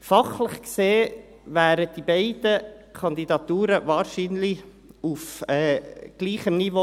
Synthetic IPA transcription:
fɑχlɪχkseː | væːɾəd̥ibeɪd̥əkʰɑndidɑt̪uːɾəvɑːɾʃinli | ufɛːɡ̥liːχəmnivo

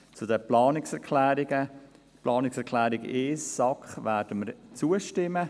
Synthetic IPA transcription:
t͡sudəplɑːnɪksɛɾkʰlæːɾɪɡə | plʔɑːnɪksɛɾkʰlæːɾɪɡeːsːɑkχvæːɾd̥əməɾt͡suəʃtɪmːə

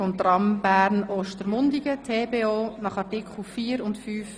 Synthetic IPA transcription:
ɔmt̪rɑmbæːɾnoːʃtəɾmʊndiɡətʰeːbeːoːnɑχɑrtɪkχlufiːɾʊntfyːf

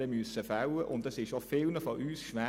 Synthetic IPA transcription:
əmyəsəfawəʔʊndɑsɪʃofɪlnəfɔʔyːsʃʋæ

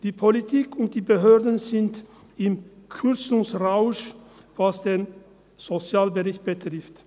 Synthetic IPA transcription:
d̥iːpʰolitʰiːkʰʊnt̚d̥iːbəɦøːɐdn̩zɪnt | ɪmkʰʏʁt͡sʊŋsʁaʊʃvasd̥eːn | z̥ot͡sjaːlbəʁɪçt̚b̥ətʁ̥ɪft

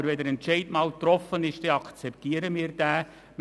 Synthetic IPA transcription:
əɾʋɛdəɾɛntt͡ʃɛɪdmɑːlt̪ɾɔfənɪʃd̥ɛɑkt͡sɛptiːəɾəmiːɾd̥æː | m

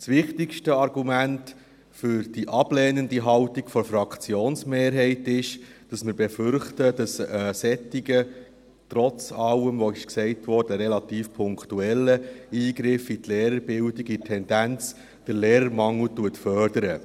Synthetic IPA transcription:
sʋɪχtɪkʃtəɑɾɡumænt | fʏɾd̥iʔɑb̥lɛːnəndiɦɑwtikfɔfɾɑkt͡sjoːnsmeːɾɦɛɪtɪʃd̥ɑsməɾbɛfʏɾχtəd̥ɑsəːsɛtiɡə | tɾɔt͡sɑləmʋɔɪʃksɛɪtʋɔɾd̥əɾɛlɑtiːfpʰʊŋktuɛlːəiːɡɾɪfitlɛːɾəɾbɪldiɡitʰːɛnd̥ænt͡s | d̥əɾlɛːɾəɾmɑŋl̩tuətfœrd̥əɾə

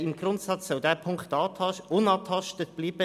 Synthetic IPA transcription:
ɪmɡ̥ɾʊntsɑt͡ssɔldɛːpʰʊŋktɑːtʰɑʊnɑːtʰɑʃtət̚b̥liːb̥ə

